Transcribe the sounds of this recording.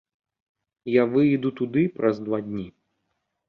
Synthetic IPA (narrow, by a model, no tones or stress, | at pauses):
javɨjd̪ut̪ud̪ɨpɾʔɐzd̪vad̪ʲnʲi